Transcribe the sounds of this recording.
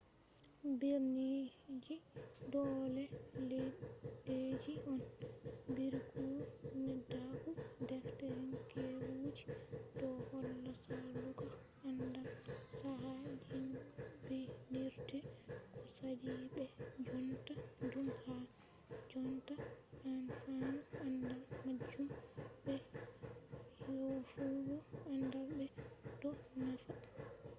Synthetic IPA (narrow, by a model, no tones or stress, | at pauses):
biɾnid͡ʒidɔlɛle | ed͡ʒiʔɔnbiɾikunɛdaɡudɛftɛɾinkʰewud͡ʒi̥dɔhɔlːasaluɡa | ʔandamsaɦad͡ʒinbɛniɾtɛkɔsadiɓɛd͡ʒɔntadumha | d͡ʒɔntaʔanfanaandalmad͡ʒːumbɛ | jofuɡɔandabɛdɔnafa